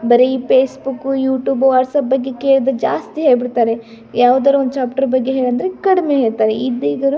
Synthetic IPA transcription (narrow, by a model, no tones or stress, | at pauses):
bɐɾeipeːsbukːujuːʈjuːboʋaːʈsɐp̚bɐɡːe̞keːɭɐd̪ɐd͡ʒa̰ːst̪iɦeːɭbiɽt̪aːɾe | jaːʋud̪aːɾuond̪ut͡ʃaːpʈɐɾbɐɡːeɦeːɭɐnd̪ɐɾekɐɽimeːɦeːɭt̪aːɾeid̪iːɡ̪ɐɾu